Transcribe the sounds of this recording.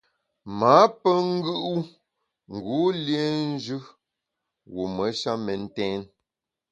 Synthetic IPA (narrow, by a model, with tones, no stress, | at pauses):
ma˨˦pə˦ŋ̩˦ɡɯ˦ʔu˦ | ŋ̩˨ɡu˨˦lje˦n̩˦d͡ʒʉ˦ | wu˨mə˨˦ʃa˦mɛ˨n̩˦tɛː˦n